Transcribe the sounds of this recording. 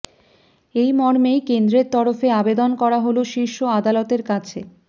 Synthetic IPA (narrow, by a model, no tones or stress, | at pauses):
ejmɔɾmejkend̪ɾeɾt̪ɔɾofeabed̪onkɔɾaɦoloʃiʃoad̪alɔt̪eɾkat͡ɕʰe